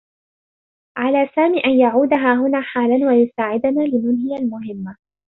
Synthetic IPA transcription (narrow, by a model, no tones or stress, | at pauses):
ʕalaːsaːmiːʔanjaʕuːd̪aɦaːɦʊnaːħaːlanwajʊsaːʕɪd̪ʊnaːlɪmʊnhɪjalmʊɦɪmːa